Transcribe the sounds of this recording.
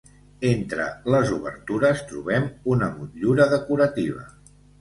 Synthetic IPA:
ent̪ɾə̰ləzuβə̰ɾt̪uɾəst̪ɾṵβɛmunəmut̪ʎuɾəðəkuɾət̪iβ̞ə̰

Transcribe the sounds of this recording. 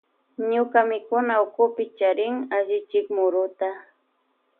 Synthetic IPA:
ɲʊkamɪkʊnaʊkʊpɪt͡ʃaɾɪŋaʒɪt͡ʃɪkmʊɾʊt̪a

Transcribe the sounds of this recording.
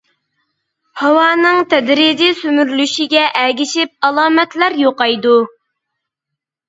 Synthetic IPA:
hɑwɑːnɨŋt̪ʰɛd̪ɾid͡ʒisymyɾlyʃiɡʲɛʔɛɡʲiʃɪp̚ɑlˠɑːmɛt̪læɾjoqɑjd̪u

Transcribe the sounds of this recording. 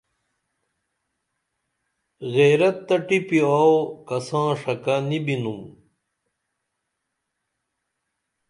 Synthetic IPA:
ɣeːɾɐt̪ːɐʈipiaːwkɐsãːʂɐkanibinum

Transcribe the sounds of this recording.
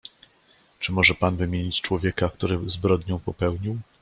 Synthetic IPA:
t͡ʂɘmɔʐɛpanvɘmʲjeɲit͡ɕt͡ʂwɔvʲjɛkakt̪uɾɘzbɾɔd̪ɲɔ̃w̃pɔpɛwɲiw

